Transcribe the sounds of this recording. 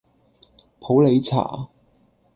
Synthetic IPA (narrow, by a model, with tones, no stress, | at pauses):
pʰo˨˥wle˨˧jt͡sʰa̰ː˨˩